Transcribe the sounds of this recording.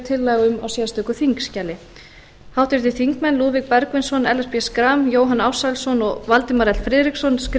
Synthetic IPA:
t̪ʰɪlːaːɣʏma̰wsɛːðast̪ʏːkʏθiŋkscaːlɪ | hawht̪ɪɾ̥t̪ɪθiŋkmɛnluːðvik̚pɛɾkvɪnsɔnɛlɛspiɛskɾamjoːwɦanawsalsɔnɔɣvalt̪ɪmaɾɛt̪lfɾɪːðɾiksɔnskɾ

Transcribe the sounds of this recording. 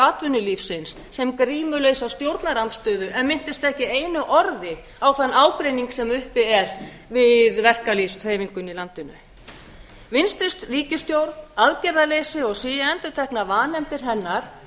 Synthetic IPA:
aːt̪vʏnːʏlifsɪnsːɛmkɾiːmʏlejsawst̪jowɾt̪naɾant̪st̪œːðʏʔɛnmɪn̥t̪ɪst̪ɛhcɪejnʏʔɔɾðɪ | awkanːaːwkɾejniŋksɛmʏhpɪɛɾ | vɪðvɛr̥kalisr̥eːjviŋkʏnilant̪ɪnʏ̰ | vɪnst̪ɪst̪riːcɪst̪jowɾðaðcɛɾðalejsɪɔɣsiːjɛnt̪ʏt̪ʰɛhknavaːnɛmt̪ɪɾ̥ɦɛnːaɾ̥

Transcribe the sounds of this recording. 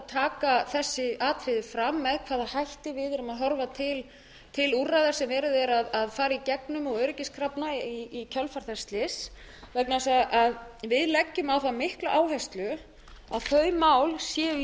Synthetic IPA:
t̪ʰaːkaθɛsːɪaːt̪ʰɾɪðɪfɾamːɛðkʰv̥aːðahajht̪ɪvɪðɛɾʏmaðɦɔɾvat̪ʰɪl | t̪ʰɪlurajðaɾ̥sɛmvɛːɾʏðɛɾaðaðfaːɾaicɛknʏmɔɣœɥɾɪcɪskʰɾapnaiicʰœlfaɾ̥θɛst̪lɪs | vɛk̚nasaɣaʔaðvɪðlɛcːʏmawθamɪhklʏʔaːwɦɛst̪lʏ | a̰ðθœːɥmaːwlsjɛː

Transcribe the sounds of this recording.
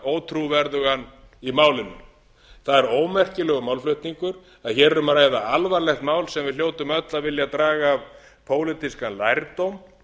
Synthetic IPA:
oːwt̪ʰɾuvɛɾðʏɣanː | imaːwlɪnːʏ̰ | θaðɛɾoːwmɛr̥cɪlɛɣʏmawlflœɥht̪niŋkʏɾ | aðçɛːɾɛɾʏmaɾaːjðaalvaɾlɛxt̪maːwlsɛmvɪðljoːwt̪ʏmœt̪lavɪljat̪ɾaːɣaːv | pʰoːwlɪt̪iskanlajɾt̪owm

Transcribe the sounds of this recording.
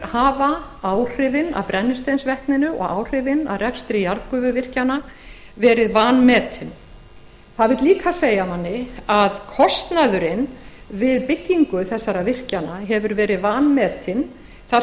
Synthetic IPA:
haːvaaːwr̥ɪvɪna̰pɾɛnːɪst̪ejnsvɛhknɪnʏɔ̰ɣaːwr̥ɪvɪna̰ðrɛkst̪ɾɪjaɾðpʏːvʏvɪr̥cana | vɛːɾɪðvaːnmɛːt̪ʰɪn | θaðvɪt̪liːkʰaseːjamanːɪaðkʰɔst̪naðʏɾɪnvɪðpɪcːiŋkʏθɛsːaɾavɪr̥canaɦɛvʏɾvɛːɾɪðvaːnmɛːt̪ʰɪn | θa

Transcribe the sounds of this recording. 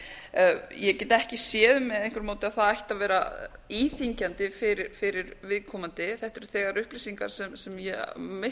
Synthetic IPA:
jɛcɛːt̪ɛhcɪsjɛːðʏmɛðejŋ̥kʰvʏɾmoːwt̪ɪaðθaðajht̪avɛːɾa̰iθiɲcant̪ɪfɪɾɪɾfɪɾɪɾvɪðkʰɔːmant̪ɪθɛht̪ɛɾʏ̥θɛːɣaɾʏhpliːsiŋka̰ɾ̥sɛmsɛmjɛmɪ

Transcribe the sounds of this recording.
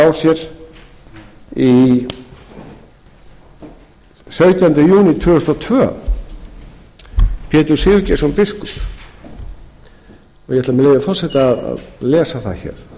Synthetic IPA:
awsjɛɾ | i | sœɥt̪ant̪ɪjuːnɪt̪ʰvʏːʏst̪ɔt̪ʰvœ̰ː | pʰɛːt̪ʏɾ̥sɪːðʏcejsɔnpɪskʏ | ɔjɛhɛt̪lamɛlejðafɔr̥sɛht̪aaða̰ðlɛːsaθa̰ðçɛ̰ːɾ̥

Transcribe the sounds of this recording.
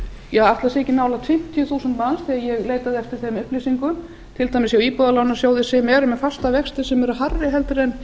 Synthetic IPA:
jɛaaft̪lasɛːcɪnaːwlat̪fɪm̥t̪ʰjʏθuːsant̪mansθiːɣajɛɣleːjt̪aðɪɛft̪ɪɾ̥θemʏhplisiŋkʏm | t̪ʰɪlt̪aːjmɪsjawiːpɔðalaːwnasjoːwðɪsɪmɛːɾʏmɛðfast̪avɛkst̪ɪ̥sɛmɛɾʏɦarːɪɦɛlt̪ɾɛn

